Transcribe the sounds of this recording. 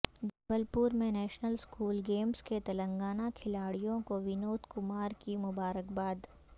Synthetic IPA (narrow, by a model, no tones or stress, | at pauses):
d͡ʒɐbəlpʊɾmẽnɛːʃnəlskuːlɡeːmsket̪ɐlə̃ŋɡaːnakʰɪlaːɽijõkoʋɪnoːt̪ʰkʊmaːɾkimʊbaːɾəkbaːd̪